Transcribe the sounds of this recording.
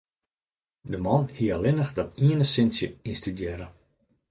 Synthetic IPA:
dəmɔnhiəəlɪnəxdɔtiənəsɪnsjəinstydjɛɾə

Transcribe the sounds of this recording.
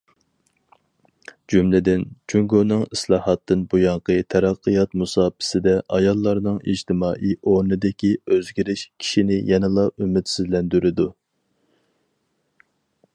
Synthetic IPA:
d͡ʒumlɪd̪ɪnt͡ʃʰuŋɡonɨŋislˠɑːhɑt̪ːɨnbujɑɴqʰət̪ʰɛɾɑqʰːɨjɑt̪musɑːpʰɪ̥sɪd̪ɛʔɑjɑlˠːɑɾnɨŋḭd͡ʒt̪ʰɪmɑːʔiʔoɾnɨd̪ɪkʲiøzɡʲiɾɪʃkʲʰi̥ʃinɪjɛnɨlˠɑymɪt̪syzlɛnd̪yɾɪd̪u

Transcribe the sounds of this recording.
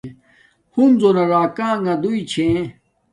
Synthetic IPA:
hunzonaɾaːkãːŋɡãd̪uit͡ɕʰẽ

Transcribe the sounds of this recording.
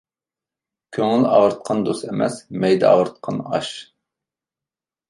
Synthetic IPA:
kʲʰøŋɪlɑʁəɾt̪̚qʰɑnd̪osemɛ̰smɛjd̪ɛ̰ɑ̰ʁəɾt̪̚qʰɑnɑʃ

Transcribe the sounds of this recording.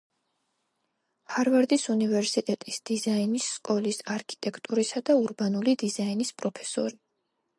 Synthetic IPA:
haɾvaɾd̪isunivɛɾsit̪ʼɛt̪ʼisd̪̥izainisːkʼɔlisaɾkʰi̥t̪ʼɛkʰt̪ʼuɾisad̪auɾbanulid̪izainispʼɾɔpʰɛ̥sɔ̰ɾi

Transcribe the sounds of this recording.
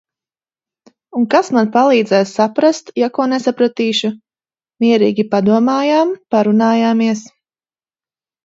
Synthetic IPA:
uŋkasmanpalˠiːd̪zɛjssapɾast̪jakuɔnesapɾat̪iːʃu | miɛɾiːɡʲipad̪uɔmaːjaːmpaɾunaːjaːmiɛs

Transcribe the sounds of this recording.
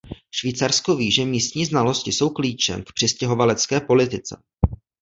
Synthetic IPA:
ʃviːt͡saɾsko̞viːʒɛmiːst̪ɲiːznalo̞scɪso̞wkliːt͡ʃɛ̰mkpr̝̥ɪscɛɦo̞valɛt͡skɛːpo̞lɪt̪ɪt͡sɛ̰

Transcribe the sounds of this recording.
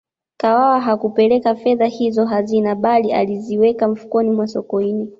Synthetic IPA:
kawawaɦakupɛlɛkafɛðahizɔɦazinaɓalia̰liziwɛkam̩fu̥kɔnimwasɔkɔini

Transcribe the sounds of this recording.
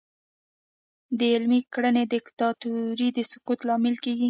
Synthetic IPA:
d̪əɪlmikɽəned̪ɪkt̪ɑt̪uɾid̪əsʊqut̪lɑmɪlkeɡi

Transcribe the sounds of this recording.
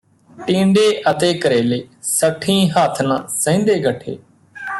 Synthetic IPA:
ʈĩːɳɖeːʔət̪eːkəɾeːleːsəʈʰĩːɦaːt̪ʰnãːsə̃ːnd̪eːɡəʈʰḛː

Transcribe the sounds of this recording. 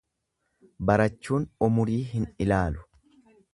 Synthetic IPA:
bɐɾɐt͡ʃːuːnɔmʊɾiːɦɪnɪlaːlʊ̥

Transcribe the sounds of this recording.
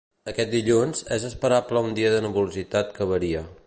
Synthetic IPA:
əkɛt̪̚d̪iʎunzɛzəspəɾapləund̪iəðənuβuluzit̪at̪kəβəɾiə

